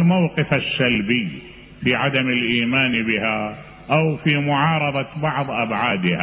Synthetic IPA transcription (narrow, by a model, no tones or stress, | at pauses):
lmawqɪfasːalbiː | fiʕad̪amɪlʔiːmaːnbɪha | ʔawfimʊʕɑːɾˤɑðˤɑbɑʕðˤʔabʕaːd̪ɪha